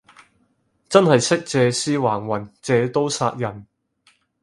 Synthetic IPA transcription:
t͡sɐ˥nhɐ˨jsɪ˥k̚t͡sɛː˨˧siː˥waː˨˩ŋwɐ˨˩nt͡sɛː˨˧t̪o˥wsa̰ː˧t̚jɐ˨˩n

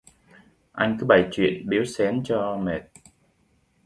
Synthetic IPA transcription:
ʔa˧jŋ̟kɨ˨˦ɓa˧˩jt͡ɕwḭ˧˨ənɓi˨˦əwsɛ˨˦nt͡ɕɔ˧me˨˩t̚

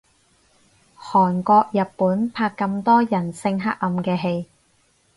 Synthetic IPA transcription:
hɔː˨˩nkɔː˧k̚jɐ˨t̚pːuː˨˥npʰaː˧kːɐ˧mt̪ɔː˥jɐ˨˩nsɪ˧ŋɦa˥k̚ːɐ˨˧mkɛː˧ɦe˧j

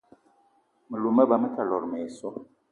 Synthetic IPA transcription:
mə˨lu˨mə˦ba˨mə˦ta˨lɔ˨ɾmɛ˨sɔ˦

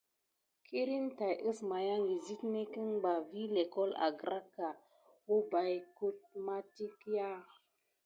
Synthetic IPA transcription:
kʰi˦ɾi˦nta˨jə˦sma˨ja˦ŋɡi˨zi˦tne˦kə˦ŋba˨vi˦le˨kɔ˦la̰˨ɡɾa˦kːa˨ | wo˦ba˨jku˦t̚ma˦ti˦kja˦

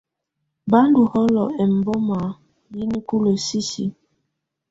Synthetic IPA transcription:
ba˦n˦du˨hɔ˦lɔ˨ʔɛ˨m̩˨bɔ˦ma˨ | ji˦ni˦ku˦lo˨si˦si˦

